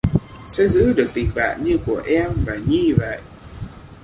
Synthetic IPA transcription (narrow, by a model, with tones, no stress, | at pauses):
sɛ̰˧˥zɨ̰˧˥ɗɨ˨˩ək̚t̪ï˨˩ŋɓa̰ː˧˨nɲɨ˧ku˧˩əʔɛ˧mvaː˨˩ɲi˧˩və̰˧˨jʔ